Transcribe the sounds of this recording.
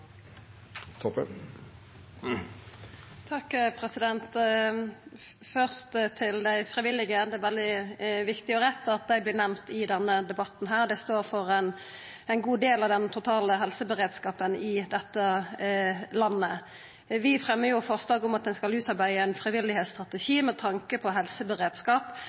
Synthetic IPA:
t̪ʰɔpə | t̪ʰɑkːpʰʁɛsɪd̪ɛnt̪ | fœʁst̪t̪ʰɪld̪æɪfʁɪʋɪlɪɡəd̪ɛʋɛld̪ɪʋɪkt̪ɪɔʁɛt̪ːəɑt̪̚d̪æɪblɪːʁnæmt̪ɪd̪ɛnːəd̪ɛbɑt̪n̩ɦæːʁd̪ɛst̪oːʁfɔʁɛn | ɛɪnɡuːd̪eːlɑʋd̪ɛnt̪ʰʊt̪ʰɑːləɦɛlsəbəʁeːd̪skɑːpənɪd̪ɛt̪ːə | lɑnːə | ʋɪfʁɛmːəjʊfɔʁslɑːɡʊmɑt̪̚d̪ɛnskɑlʉːt̪ɑʁbæɪəæɪnfʁɪʋɪlɪhɛːt̪st̪ʁɑt̪əʃiːmɛt̪ʰɑŋkəpʰɔɦɛlsəbəʁeːd̪skɑːp

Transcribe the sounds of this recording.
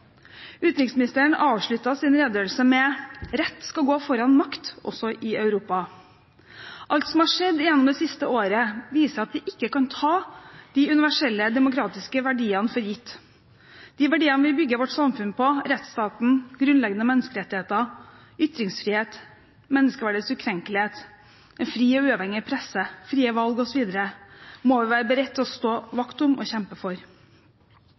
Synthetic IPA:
ʉːt̪ɾɪksmɪnɪst̪əəɳɑːʋʂɭʉt̪ːɑsɪnɾeːd̪øːlsəmɛɾɛt̪ːskɑlɡoːfɔɾɑnmɑkt̪ɔ̰sɔʔɪœʉɾuːpɑ | ʔɑlt̪sɔmhɑʂɛd̪ːɪjɛnːɔmd̪ɛsɪst̪əoːɾəʋiːsəɾɑt̪ʋɪʔɪkːəkɑnt̪ʰɑːd̪̥iːʉnɪʋæʂɛlːəd̪ɛmʊkɾɑːt̪ɪskəʋæɖiːɑnfɔɾjɪt̪ː | d̪̥ɪʋæɖiːənəʋɪlbʏɡːəʋɔʈːsɑmfʉnpɔɾɛt̪st̪ɑːt̪n̩ɡ̥ɾʉnlɛɡənəmɛnːəskəɾɛt̪ːɪheːt̪ə | ʏt̪ɾɪŋsfɾiːheːt̪ | mɛnːəskəʋæɖəsʉkʰɾɛŋkəlɪheːt̪ | ʔɛnfɾiːɔʉːɑʋhɛŋːɪpʰɾɛsəfɾiːəʋɑlɡɔsɔʋiːd̪əɾəmɔʋɪʋæːɾəbəɾɛt̪ːɔst̪oːʋɑkt̪ʊmɔ̰ɕɛmpəfɔɾ

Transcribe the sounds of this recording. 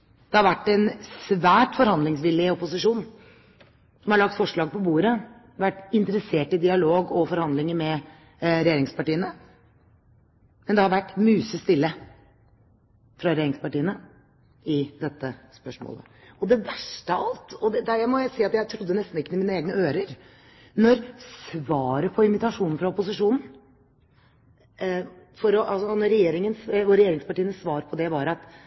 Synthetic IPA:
d̪̥ɛhɑɾʋæʈːɛnsʋæːʈfɔɾhɑnd̪lɪŋsʋɪlːɪɔpʊsɪʂuːn | sɔmhɑɾɭɑk̚t̪fɔʂɭɑːɡ̚pɔbuːɾə | ʋæʈːɪnt̪ɾəseːʈɪd̪ɪɑloːɡɔfɔɾhɑnd̪lɪŋəmɛ | ɾɛjeːɾɪŋspɑʈiːənə | mɛnd̪ɛhɑɾʋæʈːmyːsəst̪ɪlːə | fɾɑɾɛjeːɾɪŋspɑʈiːənə | ɪd̪ɛt̪ːəspœʂmo̰ːlə̰ | ɔd̪ɛʋæʂʈəɑlt̪ɔd̪ɛd̪æjæmɔjæɪsiːɑt̪jæɪt̪ʰɾʊd̪ːənɛst̪n̩ɪkːənɪmiːnəeːɡnəøːɾəɾ | nɔɾsʋɑːɾəpʰɔɪmɪt̪ɑʂuːnn̩fɾɑɔpʊs̬ɪʂuːnn̩ | fɔɾɔʔɑlsɔnɔɾːɛjeːɾɪŋənsɔɾɛjeːɾɪŋspɑʈiːənəsʋɑːɾpʰɔd̪ɛʋɑɾɑt̪

